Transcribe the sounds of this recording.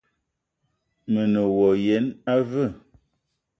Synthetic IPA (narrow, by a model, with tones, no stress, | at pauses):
mə˨nə˨wɔ˨je˨˦na˦və˦˨